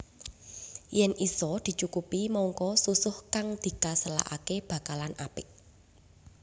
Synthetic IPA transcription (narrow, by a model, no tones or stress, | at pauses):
jɛnʔisɔd̪̥i̤t͡ʃukupimɔŋkɔsusʊhkaŋd̪̥i̤kasəla̰ʔa̰keb̥a̤kalana̰pɪk̚